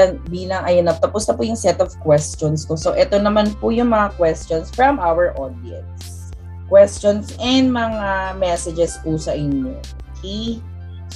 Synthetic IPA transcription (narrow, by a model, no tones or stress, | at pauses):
nbiːlɐŋʔɐjonɐp̚t̪ɐpʊst̪ɐpʊjʊŋsɛt̪ɔv̥kwɛst͡ʃonskosoʔɛt̪o̞nɐmanpʊjʊŋmɐŋakwɛst͡ʃonsfɹɐmʔawɛɹʔod̪̚iɛ̰ns | kwɛst͡ʃonsɛnd̪̚mɐŋamɛsɛd͡ʒɛspusɐʔɪnjo̰ʔokʰɛj